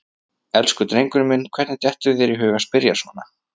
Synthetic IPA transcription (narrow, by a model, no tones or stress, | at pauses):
ɛlskʏt̪ɾejŋkʏɾmɪnːkʰvɛɾt̪nɪ̥t̪jɛht̪ʏðɛɾiɦʏːɣaspɪɾjasvɔːna